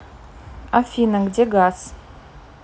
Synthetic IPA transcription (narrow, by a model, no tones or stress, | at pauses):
afʲinaŋɡdeɡas